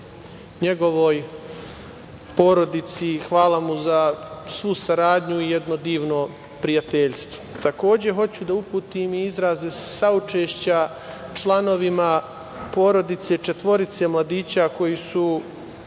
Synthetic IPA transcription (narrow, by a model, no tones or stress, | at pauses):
ɲeɡo̞ʋo̞ːj | po̞ɾo̞d̪it̪sixʋaːlamuzasʋusaɾaːd̪ɲuijed̪no̞d̪iːʋno̞ | pɾijat̪eʎst̪ʋo̥t̪ako̞ːd͡ʑe̞ɦo̞t͡ɕud̪aupuːt̪iːmiizɾaːzesaut͡ʃe̞ːʃt͡ɕa | t͡ʃlano̞ʋima | po̞ːɾo̞d̪it̪se̞t͡ʃe̞t̪ʋo̞ɾit̪se̞mlˠad̪iːt͡ɕako̞jisu